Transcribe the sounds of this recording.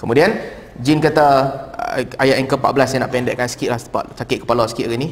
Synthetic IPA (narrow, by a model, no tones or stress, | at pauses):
kəmudian | d͡ʒinkat̪a̰ | ajaʔiŋkəpaʔ̚bəlasjãna̰ʔpɛndɛʔkansə̥kiʔ̪lasəpa̰ʔsakɪʔ̪̚kə̥palasə̥kiʔ̪ɣini